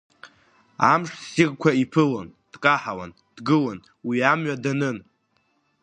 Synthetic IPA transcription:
amʂsirkʷʰaipʰɨlond̥kʼaħawa̰n | d̥ɡɨlon | wiamɥadanɨn

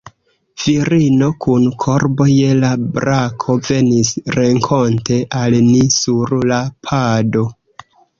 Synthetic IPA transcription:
v̥iɾino̞kʰunkʰo̞ɾbo̞je̞labɾakʰo̞ve̞nisɾe̞ŋkʰo̞nte̞ʔalnisuɾlapʰado̞

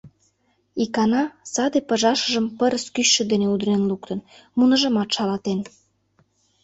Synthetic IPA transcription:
ikɑnɑsɑd̪epə̆ʒɑʃə̆ʒə̆mpəɾəskyɕːə̆d̪eneud̪ɾenlukt̪ən | munə̆ʒə̆mɑt̪ʃɑlɑt̪en

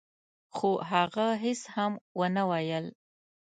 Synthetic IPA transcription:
xoɦaɣaɦɪshamwənawajəl

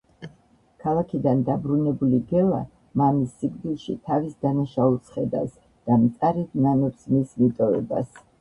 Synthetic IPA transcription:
kʰalˠakʰid̪and̪abɾunɛbuliɡɛlˠa̰ | mamisːiɡd̪ilˠʃḭt̪ʰavisd̪anaʃaulˠsʰχɛd̪a̰s | d̪̥amt̪sʼaɾɛd̪ʰnanɔpsmismit̪ʼɔvɛ̰ba̰s

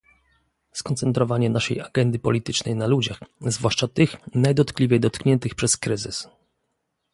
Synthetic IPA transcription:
skɔnt̪sɛnt̪ɾɔvaɲɛnaʂɛ̰jaɡɛnd̪ɘpɔ̰lʲit̪ɘt͡ʂnɛjnalud͡ʑaxzvwaʂt͡ʂat̪ɘxnajd̪ɔt̪klʲivʲɛjd̪ɔt̪kɲɛnt̪ɘxpʂɛskɾɘzɘ̰s

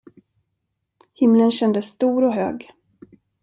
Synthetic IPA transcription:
hɪmlənɕɛnd̪əsːt̪uːɾɔɦø̰ːɡ

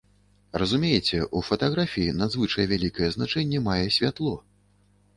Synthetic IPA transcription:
rɐzumʲejɛt͡sʲɛʔufɐt̪aɣɾafʲijinɐd̪zvɨt͡ʂɐjɛvʲalʲikɐjɛznat͡ʂɛnʲːɛmajɛsʲvʲat̪lˠɔ

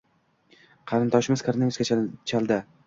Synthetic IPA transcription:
qʰɑɾɪnt̪ʰɒʃɪmɪz̥kʰaɾnemʲɪskʲat͡ʃʰt͡ʃʰalˠd̪ɪ

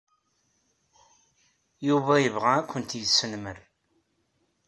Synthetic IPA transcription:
juvæjəvʁæːkʷʰːənt̪jəsːənməɾ

